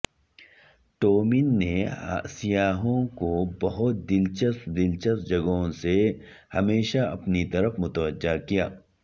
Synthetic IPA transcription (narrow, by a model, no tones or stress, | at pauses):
ʈ̪oːmɪnːeɦa̰ːsijaːɦõkobɐɦʊt̪̚d̪ɪlt͡ʃəst̪d̪ɪlt͡ʃəst̪̚d͡ʒɐɡõse | hɐmeːʃaɐ̰pnit̪ɐɾəfmʊt̪əʋəd͡ʒːakijaː